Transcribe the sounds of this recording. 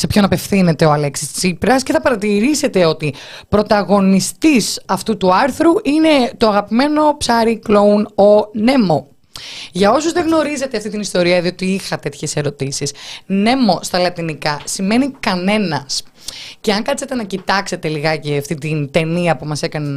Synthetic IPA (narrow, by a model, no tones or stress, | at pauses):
se̞pço̞nɐpe̞fθine̞t̪e̞oɐleksist͡sipɾɐsce̞θɐpɐɾɐt̪iɾise̞t̪e̞o̞t̪i | pɾo̞t̪ɐɣo̞nist̪isɐft̪ut̪uɐɾθɾuʔine̞t̪oɐɣɐpime̞no̞psɐɾiklo̞uno̞ne̞mo̞ | ʝɐo̞suzðeɣno̞ɾize̞t̪eɐft̪it̪inist̪o̞ɾiɐðio̞t̪iixɐt̪e̞t̪çe̞se̞ɾo̞t̪isisne̞mo̞st̪ɐlɐt̪inikɐsime̞nikɐne̞nɐs | ceɐŋkɐt̪set̪e̞nɐcit̪ɐkse̞t̪e̞liɣɐceɐft̪it̪int̪e̞niɐpumɐse̞kɐne